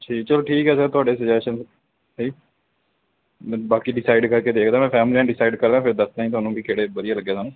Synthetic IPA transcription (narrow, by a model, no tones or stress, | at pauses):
iːt͡ʃəloʈʰiːkɦɛːs̬əɡt̪ʊaːɖeːsɪd͡ʒɛːʃən | siː | baːkiːɖɪsaːɪɖkəɾkeːd̪eːkʰd̪aːmɛ̃ːpʰɛːmliãːɖɪsaːɪɖkəɾd̪ãːpʰɪɾd̪əst̪ːĩt̪ʊɦaːnũːbʱiːkʰeːɽeːbəd̪ɪjaːləɡːeːsaːnũː